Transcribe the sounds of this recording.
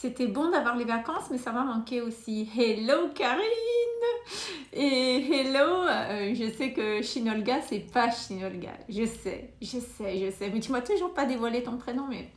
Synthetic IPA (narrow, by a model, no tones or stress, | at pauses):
set̪ɛbɔ̃d̪avwaʁlevakɑ̃smɛsamamɑ̃kʲeosihelokaʁllin | eɦeloʒəsɛkəʃinɔlɡasɛpaʃinɔlɡa̰ʒəsɛ̰ʒəsɛʒəsɛmɛt̪ymwat̪uleʒuʁpad̪evwalet̪ɔ̃pχenɔ̃mɛ̰